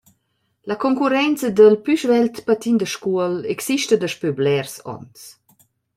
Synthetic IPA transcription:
lakɔŋkuɾɛnt͡səd̪əlpyʃvɛlt̪pat̪ind̪əʃkuəlɛksiʃtəd̪əʃpyblɛrsɔ̰nt͡s

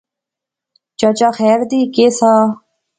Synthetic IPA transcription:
t͡ʃət͡ʃaːxɛːɾd̪iːkeːsaː

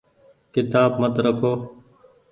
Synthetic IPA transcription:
kɪt̪aːbmət̪ɾəkʰoː

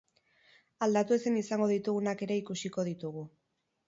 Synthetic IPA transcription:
ald̪at̪ue̞senisaŋɡo̞ðit̪uɣunake̞ɾe̞ikusiko̞ð̞it̪uɣ̞u

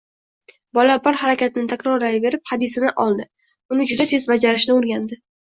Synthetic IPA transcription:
bɒlabaɾhaɾakʲat̪ʰɪnɪt̪ʰakʲɾɒɾajve̞ɾɪphad̪ɪsɪnɪʔɒlˠd̪ɪ | ʊnɪd͡ʒʊd̪at̪ʰe̞zbad͡ʒaɾɪʃnɪoɾɡʲand̪ɪ

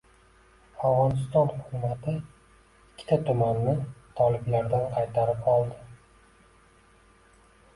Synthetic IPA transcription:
avʁɒnɪst̪ɒnhʊkʊmat̪ʰɪ | ɪkʲʰːɪ̥t̪ʰat̪ʰʊmanːɪt̪ʰɒlɪblaɾd̪anqʰɑjt̪ʰaɾɪpɒlˠd̪ɪ

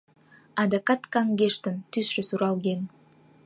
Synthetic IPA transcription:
ad̪akat̪kaŋɡeʃt̪ɯnt̪ysʃysuɾɑlˠɡeŋ

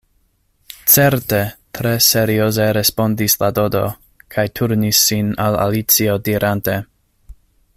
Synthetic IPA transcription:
t͡se̞ɾte̞tɾe̞se̞ɾio̞ze̞ɾe̞spo̞ndislado̞do̞̰ | kʰajtʰuɾnisːinala̰lit͡sio̞diɾʔante̞

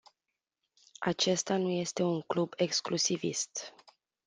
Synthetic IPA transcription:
a̰t͡ʃe̞st̪anuje̞st̪e̞uŋklube̞ksklusivḭst̪

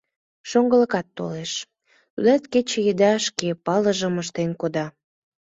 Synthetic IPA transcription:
ʃoŋɡələkɑt̪ːo̰leʃ | t̪ud̪ɑt̪ket͡ɕejəd̪ɑʃkepɑləʒəməʃt̪enkod̪ɑ

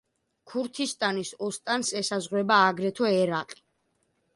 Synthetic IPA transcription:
kʰuɾt̪ʰist̪ʼanisɔst̪ʼansɛsazʁwɛbaːɡɾɛt̪ʰɔɛɾaqʼi̥

